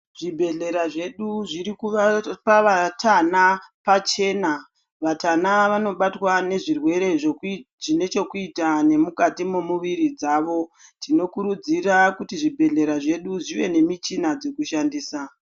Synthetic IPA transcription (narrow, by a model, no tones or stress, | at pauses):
ʐ̥ibʱe̞ɮe̞ɾaʐe̞ɗuʐiɾikuʋapaʋatanapat͡ʃe̞ːna | ʋatanaʋano̞ɓatwane̞ʐirwe̞ɾe̞ | ʐine̞t͡ʃe̞kuitane̞mukatimomuʋiɾid͡zaːʋo̞tino̞kuɾud͡zirakutiʐibʱe̞ɮe̞ɾaʐe̞ɗuʐiʋe̞ne̞mit͡ʃinad͡ze̞kuʃandiːsa